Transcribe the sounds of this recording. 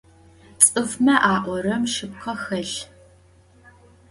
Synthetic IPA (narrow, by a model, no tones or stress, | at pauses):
t͡sʼɨfmɐʔaːʔʷɔrɐmʃɨp̚qʰɐxɐɬ